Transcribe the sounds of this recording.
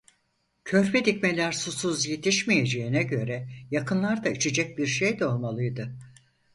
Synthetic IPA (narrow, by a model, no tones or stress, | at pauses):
cʰø̞ɾpʰɛd̪icmelʲæɾsusuzje̞t̪ʰiʃmije̞d͡ʒeinɛɟø̞ɾɛjakʰɯnlˠaɾd̪ait͡ʃʰed͡ʒɛc̚biɾʃejd̪ɛo̞lˠmalˠɯjd̪ɯ